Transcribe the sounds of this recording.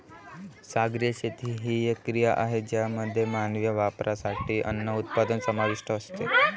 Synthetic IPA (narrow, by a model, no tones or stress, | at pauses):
saɡɾijəɕet̪ʰiːɦiːjekːɾijaʔaɦed͡ʑjaməd̪ʱːjemanʋjəʋapɾʔasaʈiːʔə̰nːəut̪̚pad̪ənsəmaʋiʂʈəːst̪e